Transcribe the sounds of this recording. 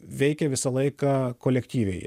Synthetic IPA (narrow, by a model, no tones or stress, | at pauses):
ʋʲɛɪkʲɛʋʲɪsɐlˠɐɪkɑːkoːlʲɛkt̪ʲiːʋʲɛɪ